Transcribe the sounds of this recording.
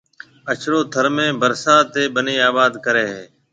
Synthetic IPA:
ət͡ʃʰɾoːt̪ʰəɾmẽːbəɾsaːt̪eːbəniːaːbaːd̪kəɾeːɦeː

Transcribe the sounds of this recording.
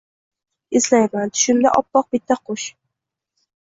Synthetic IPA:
ɪzlajmant̪ʰʊ̥ʃɪmd̪a̰ʔɒpːɒq̚bɪt̪ʰːaqʰoʃ

